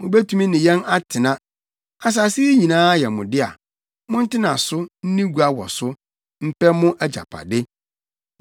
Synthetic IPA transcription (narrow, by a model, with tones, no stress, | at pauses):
mʊ̃˨be˦tʰu˨˦mĩ˦nɪ̃˨jɛ̃˦na˦tʰɪ˨nã˦ | a˨s̬aː˨sɪ˦ɲĩ˨nãː˦jɛ˨mʊ̃˨dɪ˦a̰˨ | mʊ̃˦n̩˦tɪ˦nã˨sʊ˦n̩˦nĩ˦ɡʷu˨a˦wɔ̰˨sʊ˦ | m̩˦pɛ˦mʊ̃˦ʔæ˦d͡ʑa̰˨pʰa̰˨dɪ˦